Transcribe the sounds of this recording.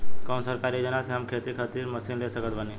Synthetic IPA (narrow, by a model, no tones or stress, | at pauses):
kɔmsəɾkaɾid͡ʑənasjamkʰet̪ikʰat̪iːɾməsiːnlesəɡət̪ʋani